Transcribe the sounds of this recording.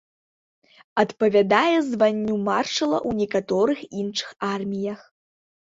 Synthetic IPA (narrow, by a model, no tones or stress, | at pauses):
ɐt̪pɐvʲad̪ajɛzvanʲːumarʂɐlˠɐ̰ʔwnʲɛkat̪ɔɾɨxinʂɨ̥xarmʲijɐx